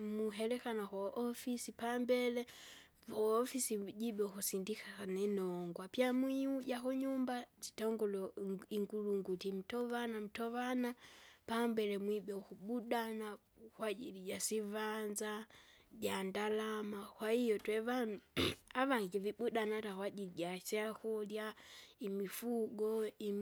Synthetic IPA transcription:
muɦɛlɛkanakwɔʔɔfisipambɛlɛ | vɔːfisiɟiɓɛukusindixaanɛnɔŋɡwapjamwiuɟakuɲumbat͡ʃi̥tɔŋɡɔlɔiŋɡuluŋɡutim̩tɔvanam̩tɔvanapambɛlɛmwibɛukuɓuɗana | kwaʄiliɟasivanzaɟandalamakwahijɔtwɛvanaβaŋɡiviɓuɗanatakwaɟiliɟat͡ʃɛakɔljaimifuɡɔi

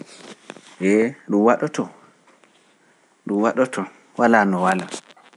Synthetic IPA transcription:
bɛɗumwaɗɔtɔ | ɗumwaɗɔtʰɔ | walaːnɔwala

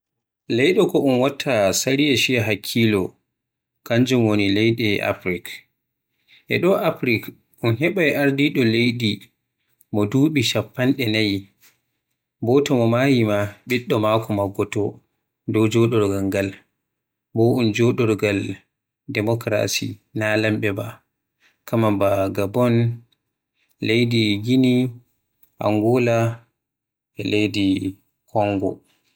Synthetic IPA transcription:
lɛjɗɔkɔʔunwatʰːasaɾijaʃijaɦakʰːilɔ | kaɲd͡ʒumwonilɛjɗɛʔa̰pɾik | ʔɛɗɔʔapɾik | ʔunɦɛɓajʔaɾdiɗɔlejɗi | mɔduːɓiʃapːanɗɛnaj | bɔtɔmɔmaːjimaɓiɗːɔmaːkɔmaɡːɔtɔ | dɔd͡ʒɔɗɔɾɡalɡal | bɔʔund͡ʒɔɗɔɾɡal | dɛmɔkɾa̰sḭnalambɛba | kamambaɡabɔn | lejdiɡini | ʔa̰ŋɡɔla | ɛlejdi | kʰɔŋɡɔ̰

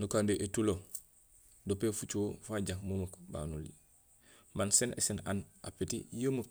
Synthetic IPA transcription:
nukandeʔetulo | dopefut͡ʃofaɟakməməkba̰ːnulḭ | mansenḛsena̰nʔa̰petḭjəːmək̚

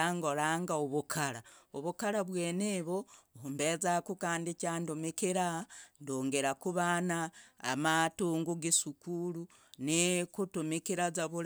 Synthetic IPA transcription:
aŋɡo̞ɾaːŋɡaoβukʰaɾaoβukaɾaβweːneβohumbezakukaːndicaːndumikiɾandoːŋɡeɾakuβaːna̰ːmatuːŋɡuɡisukulu | nikutumikiɾazaβuɾ

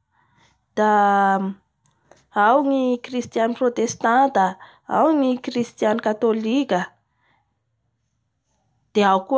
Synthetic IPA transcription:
d̪̥a | awŋikrist̪ianiprot̪est̪ant̪ə | a̰wŋikrist̪janikat̪olikʲə | d̪̥eauku

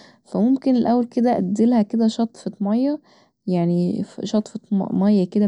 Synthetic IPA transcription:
fæmomkenelʔæwːælked̪æʔæd̪ːelhæked̪æʃɑt̪ˤfet̪mɑjːæ | jaʕniʃɑt̪ˤfet̪mɑjːæked̪æ

